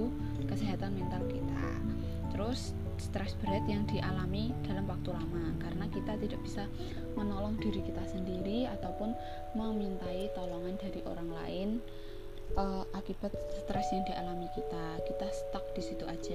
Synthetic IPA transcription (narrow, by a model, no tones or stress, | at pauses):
u | kəseɦat̪anmint̪alkit̪a̰ | t̪əɾʊs | st̪ɾɛsb̥ɾɛt̪jaŋd̪̥iʔalamid̥a̤lamwak̚t̪ulamakaɾənakit̪at̪idaʔb̥isa | mənɔlɔŋd̥iɾikit̪asəndiɾiat̪awpʊn | məmint̪ait̪ɔlɔŋanda̤ɾiʔo̰ɾaŋla̰ɪn | ʔəʔakib̥a̤t̪̚st̪ɾɛsjaŋd̪̥ialamikit̪akit̪ast̪ək̚d̥isit̪uad̥ʒ̥a